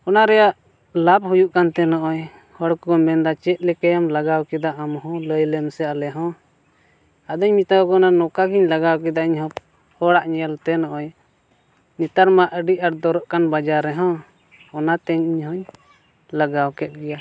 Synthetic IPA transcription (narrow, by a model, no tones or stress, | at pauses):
ɔnaɾɛjaʔ | lap̚hujuʔkant̪ɛnɔʔɔj | hɔɽkɔmɛnd̪at͡ʃɛt̪̚ˀlɛkɛjamlaɡawkɛd̪aʔamɦɔ̃ləjlɛmsɛalɛɦɔ̃ | ad̪əɲmit̪awkɔnanɔkaɡiɲlaɡawkɛd̪aʔiɲhɔ̃p | hɔɽaʔɲɛlt̪ɛnɔʔɔj | nit̪aɾmaʔəɖiʔaɾd̪ɔɾɔʔkanbad͡ʒaɾɛɦɔ̃ | ɔnat̪ɛɲiɲɦɔ̃ɲ | laɡawkɛt̪̚ˀɡɛja